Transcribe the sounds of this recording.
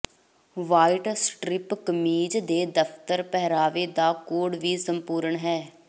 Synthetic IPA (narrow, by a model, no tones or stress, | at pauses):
ʋaːiʈsʈɾɪpkəmiːd͡ʒd̪eːd̪əpʰt̪əɾpɛːɾaːʋeːd̪aːkoːɽʋiːsəmpuːɾəɳɦɛː